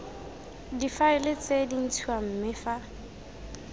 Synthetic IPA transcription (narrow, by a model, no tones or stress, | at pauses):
difaɪlɪt͡sʼedin̩tʰuam̩mɪfa